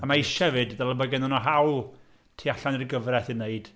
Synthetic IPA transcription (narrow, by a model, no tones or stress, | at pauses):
əmaiʃɛvɨdðɛlˠabɔɡɛnɔnɔɦawlˠ | tʰiːaɬanirɡəvrɛθɨnːeɨd̥